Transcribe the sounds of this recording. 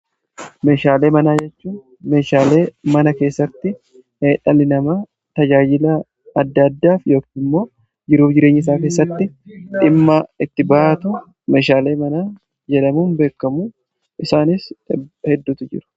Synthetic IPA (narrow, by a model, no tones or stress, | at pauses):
me̞ːʃaːle̞ːmɐnaːd͡ʒɛt͡ʃːuːn | me̞ːʃaːleːmɐnɐke̞ːsːɐt̪ːɪ | heːᶑɐlɪnɐmɐ | t̪ɐd͡ʒaːd͡ʒɪlɐ | ɐd̪ːɐd̪ːaːfjo̞ːkiːnɪmːo̞ː | d͡ʒɪɾuːfd͡ʒɪɾe̞ːɲːɪs̬aːke̞ːsːɐt̪ːɪᶑɪmːɐɪt̪ːɪbaːʔɐt̪ʊ | me̞ːʃaːle̞ːmɐnaː | d͡ʒɛᶑɐmuːnbe̞ːkːɐmuː | ɪsaːnɪshɛd̪ːuːt̪ʊd͡ʒɪ̰ɾʊ̥